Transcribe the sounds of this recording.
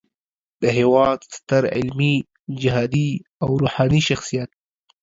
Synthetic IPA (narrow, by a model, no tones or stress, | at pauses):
d̪̥əɦewɑːd̪st̪əɾʕɪ̰lmi | d͡ʒɪɦɑːd̪iawɾuːħɑːniʃaxsijat̪̚